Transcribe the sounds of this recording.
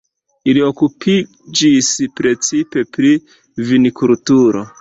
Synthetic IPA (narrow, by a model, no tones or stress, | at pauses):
ilio̞kupʰi | d͡ʒispɾe̞t͡sipe̞pɾi | vinikultuɾo̞̰